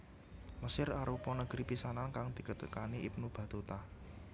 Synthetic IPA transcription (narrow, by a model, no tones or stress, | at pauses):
məsɪraɾupɔnəɡ̥ɾipisanankaŋd̪̥i̤kət̪əkaniipnub̥ä̤d̪ot̪a